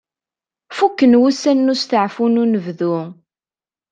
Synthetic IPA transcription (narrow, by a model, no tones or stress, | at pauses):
fukːənwusænːust̪əʕfununəvðu